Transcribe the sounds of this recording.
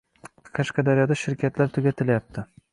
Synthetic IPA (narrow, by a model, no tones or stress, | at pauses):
qʰɑʃqʰɑd̪aɾijɒd̪aʃɪɾkʲʰat̪laɾt̪ʰʊɡʲat̪ʰɪljap̚t̪ʰɪ